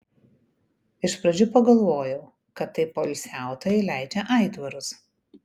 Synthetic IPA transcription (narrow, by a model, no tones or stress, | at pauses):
ɪʃpɾɐd͡ʒʲʊpɐɡɐlˠʋoːjɛʊ | kɐt̪ːɐɪpoɪlʲsʲæˑʊt̪oːjɛɪlʲæɪd͡ʒʲɛʔɐˑɪd̪ʋɐɾʊs